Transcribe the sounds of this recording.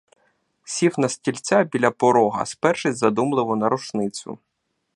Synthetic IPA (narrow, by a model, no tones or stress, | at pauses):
sʲifnɐsʲtʲilʲt͡sʲabʲilʲɐpɔɾɔɦɐ̰spɛrʃɪzɐd̪umlˠɪʋɔnɐɾʊt͡ʃnɪt͡sʲʊ̰